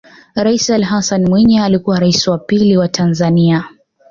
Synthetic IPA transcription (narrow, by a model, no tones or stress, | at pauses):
ɾaisalɦasanmwiɲaːlikuwaɾaisiwapiliwatʰanzania